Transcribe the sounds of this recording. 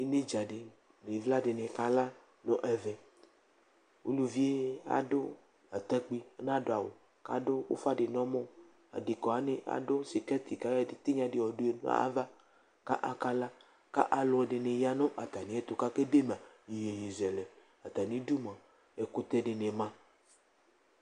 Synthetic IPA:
e˦ne˦d͡ʒa˨ɖe˨ | le˨vla˦ɖe˨nẽ˨ka˦la˦ | nɔ̃˦ʔɛ˨vɛ˨ | wo̰˦lu˨vi˦e˦a̰˨do˦ | a˨t̪ɛ˦k͡pi˦nã˦do˨a˨wo˨ | ka̰˦do˦wo̰˦fa˦ɖe˨nɔ̃˦mɔ̃˦ | a̰˨de˨kɔ˨a˨nẽ˦ʔa̰˨do˦si˨kɛ˦t̪i˨ka˦de˨t̪e˦ɲã˨de˨wɔ˨do˦e˦nɔ̰˦a̰˦va˦ | ka˦ʔa˨ka˦la˦ | ka̰˦ʔa˨lo˨˦˨ɖe˨nẽ˨ja˦nɔ̃˦ʔa˨t̪a˨nĩ˨˦ɛ˦t̪o˨ka˦ke˦de˦m˨ã˨ | ji˨je˨je˨zɛ˨lɛ˨ | a˨t̪a˨nĩ˦du˦m˨ã˨ | e˨ko˦t̪ɛ˦ɖe˨nẽ˨mã˦

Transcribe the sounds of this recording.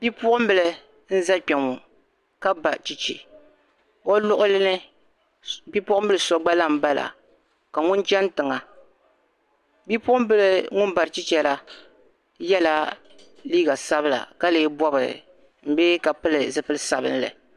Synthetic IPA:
bi˦pʊ˦ʔʊ˦m̩˦bɨ˨lɨ˨ | n̩˦za˦k͡pɛ˨ŋʊ˨ | ka˦ba˨t͡ʃi˦t͡ʃḭ˨ | o˦lʊ˦ʔʊ˦lnɨ˦ | bi˦pʊ˦ʔʊ˦m̩˦bɨ˦lɨ˨sɔ˨˦ɡ͡ba˦la˦m̩˦ba˦la̰˨ | ka˨ŋʊ˦nt͡ʃɛ˦n˦tɨ˨ŋa˨ | bi˦pʊ˦ʔʊ˦m˦bɨ˦lɨ˨ŋʊ˦n˦ba˨ɾɨ˨t͡ʃi˦t͡ʃɛ˦la˦ | jɛ˦la˦ | liː˦ɡa˨sa˦bɨ˦la̰˨ka˦leː˨˦bɔ˦bɨ˨ɾɨ̰˨ | m̩˦be˦ka˨pɨ˦lɨ˨zɨ˦pɨ˦lɨ˦sa˨bɨ̰˦n˦lɨ̰˨

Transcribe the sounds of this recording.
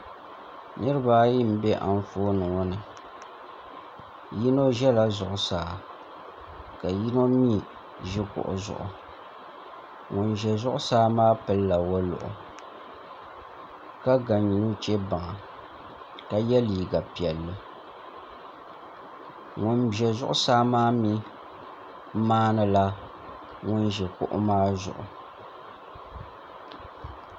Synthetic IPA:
nɨ˦ɾɨ˦ba˦ji˦m̩˦bɛ˦ʔa̰˨n˦foː˦nɨ˨ŋɔ˦nɨ˨ | ji˦no˦ʒɛ˦la˨zʊ˨ʔʊ˨saː˨ | ka˨ji˦no˦miː˦˨ | ʒɪ˦kʊ̰˨ʔʊ̰˨zʊ̰˨ʔʊ˨ | ŋʊ˨nʒɛ˨zʊ˦ʔʊ˦saː˦maː˦pɨ˨lːa˨wo˦lʊ̰˨ʔʊ̰˨ | ka˦ɡa˨ɲi˨nu˦t͡ʃɛ˦ba˨ŋa˨ | ka˦jɛ˦liː˨ɡa˨pi˨ɛ˨lːɨ˨ | ŋʊ˨nbjɛ˨zʊ˦ʔʊ˦saː˦maː˦mi˦ | maː˦nɨ˨la˦ | ŋʊ˦nʒɛ˨kʊ̰˦ʔʊ̰˦maː˦zʊ̰˨ʔʊ˨

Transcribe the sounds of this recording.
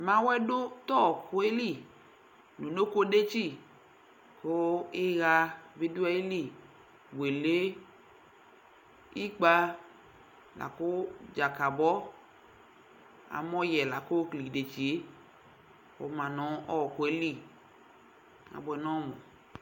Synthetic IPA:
mã˨˦wɛ˦do˦t̪ɔ˦˨ko˦e˦li˦˨ | nu˨no˦ko˦de˦t͡ʃi˦˨ | ko˦e˦ɣa˧ve˦du˦ɛ˦i˦li˦˨ | bʷe˨le˦ | i˦k͡pa˧ | la̰˨ko˦d͡ʒa˨ka˨bɔ˦ | a̰˨mɔ˦jɛ˨la˨ko˦kli˨de˨t͡ʃi˨e˦ | o̰˨mã˨nɔ̃˨˦ʔɔ˦˨ko˨e˦li˦˨ | a̰˨bɔ˧ɛ˨nɔ̃˦mɔ˨

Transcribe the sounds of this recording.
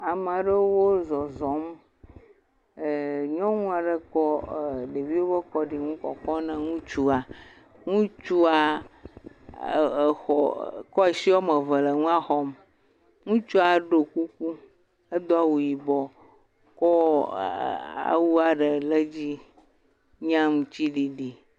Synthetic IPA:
a˨m˨a˨ɖə˦wo˦zɔ˨zɔ̃˨˦m˨ | ɲɔ̃˦ŋũ˦a˨ɖə˨kɔ˦˨ɖe˨vi˦wo˦bə˦kɔ˦ɖi˨ŋũ˦kɔ̰˨kɔ˦nə̃˦ŋũ˦t͡ʃu˦a˨ | ŋũ˦t͡ʃu˦a˨ | xɔ˨kɔ˦e˨si˦wo˦mə˨və˨lə˨ŋũ˦a˦xɔ˦m | ŋũ˦t͡ʃu˦a˨ɖo˨ku˦ku˦ | e˦d̪o˦a˨wu˨ji˨bɔ˨ | kɔ˦ | a̰˨wu˦a˨ɖə˨lə˦d͡ʑi˦ | ɲã˦m˨t͡ɕi˦ɖi˨ɖi˨

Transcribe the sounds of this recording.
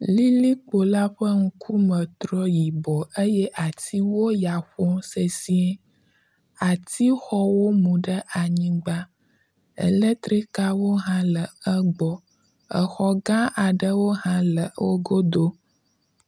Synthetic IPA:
li˦li˦k͡po˨la˦ɸə˦ŋũ˦kʰu˦mə̃˨t̪ɾɔ˦ji˨bɔ˨ʔə˦jɛ˦ʔa˨t̪i˦wo˦ja˨ɸɔ˦se˨si˦ɛ˦ | a˨t̪ʰi˦xɔ˦wo˦mũ˨ɖə˦ʔa˨ɲĩ˦ɡ͡ba˦ | ḛ˨le˦t̪ɾi˦ka˦wo˦ɦã˦lə˨ə˦ɡ͡bɔ˨ | ə˨xɔ˦ɡã˦a˨ɖə˦wo˦ɦã˦lə˨wo˦ɡo˦d̪o˦

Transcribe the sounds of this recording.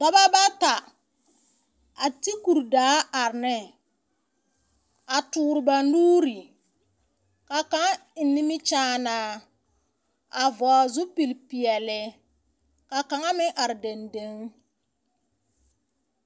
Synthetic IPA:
tɔ˦ba˦ba˦ta˨ | a˨ti˦ku˨ɾdaː˦a˨ɾɪ˨nɪ˦ | a˨tʊː˨ɾɪ˨ba˨nuː˦ɾi˨ | ka˨ka˨ŋa˦ɪ˨nːɪ˦mɪ˦t͡ʃaː˦naː˨˦ | a˨vɔ˨a˨zʊ˦pi˨lpi˨ɛ˨lɪ˨ | ka˨ka˨ŋa˦mɪ˦ʔa˨ɾɪ˨de˨nde˦ŋ

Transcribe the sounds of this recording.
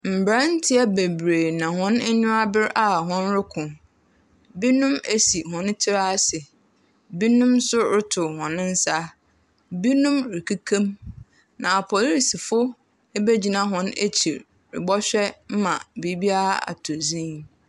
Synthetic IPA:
m̩˨bɾã˦n̩˦tʰɪ˦ɛ˦be˨bɾe˨nã˨hɔ̃˦n˦ɲʊ̃˦a˦bɪ˦ɾa˨ɦɔ̃˦n˦ɾɪ˦kʰʊ̃˨ | bi˦nũ˦me˦si˨ɦɔ̃˨n˦tʰɪ˦ɾa˦sɪ˨ | bi˦nʊ̃˦msʊ˦ɾɪ˦tʰʊ˨hɔ̃˨nɪ̃˦n̩˦sa˦ | bi˦nũ˦mɾɪ˨kʰi˦kʰẽ˦m | nã˨a˨pʰɔ˨li˨si˨fʊ˦ | e˦be˦d͡ʑi˨nã˦˨ɦɔ̃˦nḛ˦t͡ɕʰi˨ɾ | ɾɪ̰˨bɔ˦ɕᶣɛ˦m̩˦mã̰˨bi˦bi˦a˦ɾa˦a̰˨tʰo˨zĩ˦

